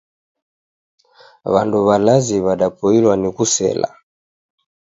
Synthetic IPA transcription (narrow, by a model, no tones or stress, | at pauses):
βa̰nduβalaziβaɗapɔilwanikusɛ̰la̰